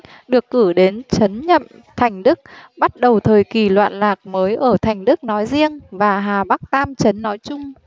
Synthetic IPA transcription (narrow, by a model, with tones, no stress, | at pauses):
ɗɨ˨˩əkːɨ˧˩ɗe˨˦nt͡ɕə˨˦nɲə̰˧˨m | t̪ʰa˨˩jŋ̟ɗɨ˦˥k̚ɓa˦˥t̚ɗə˨˩wt̪ʰəː˨˩jki˨˩lwa̰ː˧˨nlaː˨˩k̚məː˨˦jʔəː˧˩t̪ʰa˨˩jŋ̟ɗɨ˦˥k̚nɔ˨˦jzi˧əŋvaː˨˩ɦaː˨˩ɓa˦˥k̚t̪aː˧mt͡ɕə˨˦nːɔ˨˦jt͡ɕʊ˧ŋ͡m